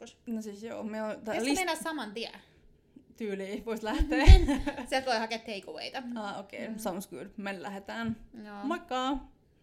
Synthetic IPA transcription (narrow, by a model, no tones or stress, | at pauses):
osnosisjoːmiɛot̪ɑesllimenæssɑmɑnt̪iæ̰ | t̪yːliʋoist̪læht̪eːsiælt̪koihɑket̪heikoʋḛit̪ɑɑːokḛːsɑmsɡ̥ṵdmenlæ̰het̪æːnnmɑkːɑː